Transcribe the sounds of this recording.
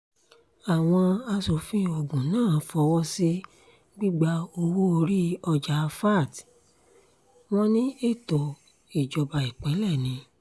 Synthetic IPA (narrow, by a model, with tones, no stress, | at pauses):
a˨w̃ɔ̃˧a˧so˨˦fĩ˦ɔ˨bũ˨nãː˦˨˦fɔ˧wɔ˦si˦ | ɡ͡bi˦ɡ͡ba˧o˧wu˦o˧ɾi˦ɔ˧d͡ʒa˨˧fa˦˨t | w̃ɔ̃˦nĩ˦e˦˨tɔ˨ | i˨d͡ʒɔ˨ba˨i˨k͡pɛ˨˦lɛ˦˨nĩ˧˦